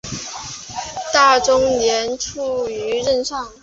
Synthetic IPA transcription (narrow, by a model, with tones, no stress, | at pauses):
t̪a˥˩ʈ͡ʂʊ˥ŋnjɛ˧˥nʈ͡ʂʰu˥˩y˧˥ɻə˥˧nʂɑ˥˩ŋ